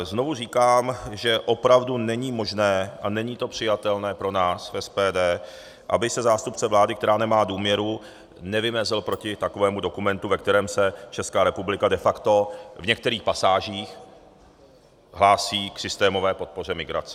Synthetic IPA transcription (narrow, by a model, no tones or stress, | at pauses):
znovuriːkaːmʒɛʔo̞pɾavdunɛɲiːmo̞ʒnɛːʔanɛɲiːt̪o̞pr̝̥ɪjat̪ɛlnɛːpɾo̞naːsfʔɛspɛːdɛː | ʔa̰bɪsɛzaːst̪upt͡sɛvlaːdɪkt̪ɛɾaːnɛmaːduːmɲɛɾu | nɛvɪmɛzɪlpɾo̞cɪt̪akovɛːmudo̞kumɛnt̪uvɛk̚t̪ɛɾɛːmsɛt͡ʃɛskaːɾɛpublɪkadɛfakt̪o̞vɲɛk̚t̪ɛɾiːxpasaːʒiːx | ɦlaːsiːksɪst̪ɛːmo̞vɛːpo̞t̪̚po̞r̝ɛmɪɡɾa̰t͡sɛ̥